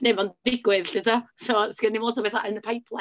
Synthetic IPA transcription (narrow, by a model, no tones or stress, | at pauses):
nemanðɪɡwɪðɬɪtʰasɔskɛnimoːtsʰɔbeθa̰ʔənəpʰajpʰlˠa